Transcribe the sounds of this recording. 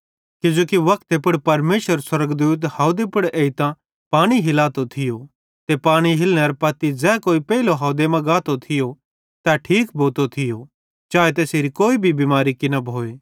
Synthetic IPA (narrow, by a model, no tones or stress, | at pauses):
kɪd͡ʒoːkiʋɐk̚ʰt̪epʊɽpɐɾmeːʃəɾswɐɾəɡd̪uːt̪̬haːod̪epʊɽeːit̪ã | paːɽ̃iɦɪlaːt̪ot̪ʰɪjo | t̪epaːɽ̃iɦɪlñeɐɾpɐt̪id͡zɛːkoːipɛɪloɦɐʊd̪emɐ̃ɡaːt̪ot̪ʰɪjo | t̪ɛʈʰiːkbʱoːt̪ot̪ʰɪjo | t͡ʃaːet̪̬eːseɾikoːibʱibimaːɾikɪnɐbʱoːeː